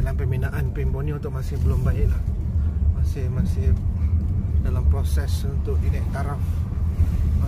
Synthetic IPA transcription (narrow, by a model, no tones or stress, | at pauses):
dalampəminaʔanpimponiunt̪ʊk̚masɪhbəlʊmbaɪʔlah | masɪhmasɪh | dalampɾosɛsunt̪ʊk̚t̪idaʔt̪aɾaf